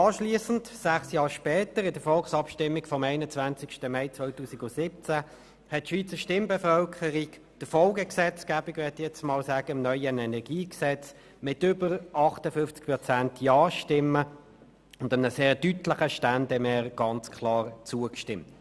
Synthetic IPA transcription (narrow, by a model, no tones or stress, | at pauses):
ɑːʃliːəsn̩tsæχsjɑːʁʃpɛːtəɾɪdəfɔlχsɑpʃtɪmːiɡfɔmæɪnət͡svænt͡sɪkʃtəmæɪt͡svɔɪtuːsiɡʊsɪp̚t͡sæ | hɛt̚ːʃʋiːt͡səʃtɪmbɛfœlkʰəʁik | d̥əfɔlɡəksɛt͡skæːbɪɡvɛtjɛt͡stmɑːlsæːɡ̥əɪmnœʏənɛnɛʁɡiːksɛt͡s | mɪtʏbəʁɑχtəfʏnft͡sk̚pʁɔt͡sæntʰjɑːʃtɪmə | ʊndəmnəseːʁtytləχəʃtændɛmɛːʁɡ̥ɑnt͡skʰlɑːʁt͡suəkʃtɪmt